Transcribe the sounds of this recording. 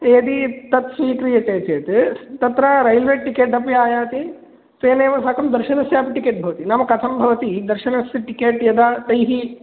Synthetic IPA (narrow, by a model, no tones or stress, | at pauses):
eːd̪it̪ɐt̪sʋiːkɾijɐt͡ʃeːt͡ʃeːt̪t̪ɐt̪ɾaɾɐjlʋeːʈikeːʈɐp̬jaːjaːt̪i | t̪eːneːʋɐsɐkɐmd̪ɐɾʃɐnɐsjaːpɐʈikeːʈ̚bʱɐʋɐt̪inɐmɐkɐt̪ʰɐmbʱɐʋɐt̪id̪ɐɾʃɐnɐsɐʈikeːʈjɐd̪aːt̪ɐjɦi